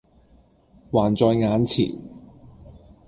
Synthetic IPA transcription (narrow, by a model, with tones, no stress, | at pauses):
waː˨˩nt͡sɔː˧jŋaː˨˥nt͡sʰḭː˨˩n